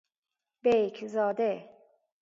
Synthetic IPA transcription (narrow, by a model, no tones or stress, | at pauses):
bejkʰzɒːd̪e